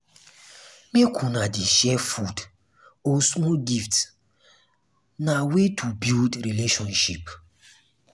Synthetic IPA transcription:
mekʰunadiʃɛfud | osmɔlɡift | nawetʰubildɾileʃɔ̃nʃip

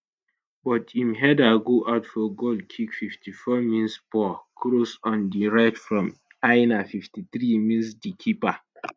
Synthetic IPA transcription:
bɔtʰimɦɛdaɡoʔaʊtfɔɡodkʰikfiftʰifɔmĩnspɔkʰɾosɔ̃ndiɹaɪtfɹɔ̃m | aɪnafiftit̪ɹimĩnsdikʰipa

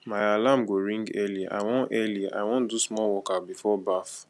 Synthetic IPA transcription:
maɪalamɡoɹĩŋɡɛlia̰wɔ̃ʔɛliʔa̰ɪwɔ̃ndusmɔlwɔkabifɔbaf

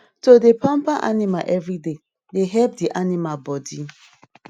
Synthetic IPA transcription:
todepãmpaʔa̰nima̰lʔɛvɹide | deɦɛp̚diʔanimabɔdi

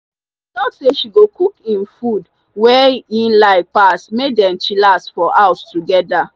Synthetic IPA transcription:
nɔtseʃiɡokʰukĩnfud | wɛĩnlaɪpasmedɛ̃mt͡ʃilastfɔʔaʊstuɡɛda

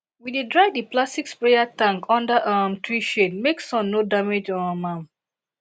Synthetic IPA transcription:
widedɹaɪdəplastikspɹejatãŋkʰɔ̃ndaʔamtʰɹiʃetmeksɔ̃nnodamed͡ʒɔ̃namãm

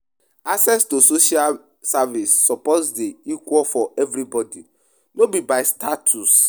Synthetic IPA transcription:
asɛstusoʃia | savisːɔpɔsdeikwɔlfɔʔɛvɾibɔdi | nobibaɪstatʰus

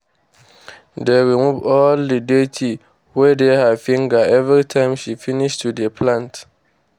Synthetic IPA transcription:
dɛwiŋũbɔlːidetʰi | wɛdehafĩŋɡaɛvɾitʰãɪ̃mʃifinɪʃtʰudɛpʰlãnt

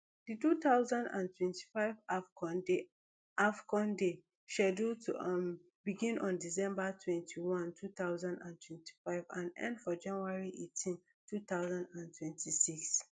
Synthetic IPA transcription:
ditut̪aʊzãndã̰ntʰwɛ̃ntʰi̥faɪvafɔnde | ʔafkɔ̃nde | ʃɛdutʰu | biɡĩnʔɔ̃ndisɛ̃mbatʰwɛ̃ntʰiwɔ̃ntʰut̪aʊzãndãntʰwɛ̃ntʰi̥faɪvãnɛ̰̃ndfɔd͡ʒãnuaɹiʔetʰĩn | tʰut̪aʊzãndãntʰwɛ̃ntʰisiks

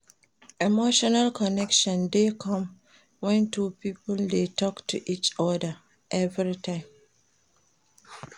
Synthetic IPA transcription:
ɛmoʃɔnalkʰɔnɛkʃɔ̃ndekʰɔ̃m | wɛ̃ntʰupipɔldetʰɔktʰṵʔit͡ʃɔdə | ʔɛvɹitʰãɪ̃m

